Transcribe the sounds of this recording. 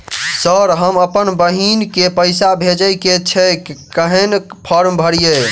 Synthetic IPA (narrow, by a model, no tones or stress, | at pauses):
səɾɦəməpənbəɦinkepəɪsabʱed͡ʒəjket͡ʃʰɛkkəɦɛnpʰəɾmbʱəɽije